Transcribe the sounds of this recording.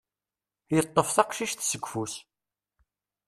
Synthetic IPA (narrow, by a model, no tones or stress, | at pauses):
jət̪ˤːəfθɑqʃiʃθsəɡʷfus